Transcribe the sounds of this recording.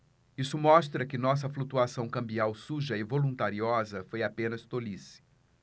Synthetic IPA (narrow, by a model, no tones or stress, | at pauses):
isʊmɔst̪ɾɐkɪnɔs̬ɐflut̪uasɐ̃w̃kɐ̃mbiawsuʒɐɪvolũnt̪aɾiɔzɐfojapẽnɐst̪olisɪ̥